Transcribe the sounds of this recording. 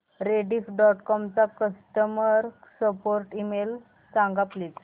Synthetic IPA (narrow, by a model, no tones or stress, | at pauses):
ɾeɖiːfɖɔʈkɔmt͡sakəsʈəməɾsəpoɾʈimel | t͡sãŋɡaplit͡s